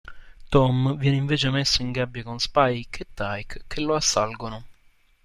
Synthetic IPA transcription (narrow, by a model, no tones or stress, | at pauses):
t̪ɔmvjɛːneiɱveːt͡ʃemesːoiŋɡabjakonspajket̪ːajkkːelːoasːalɡono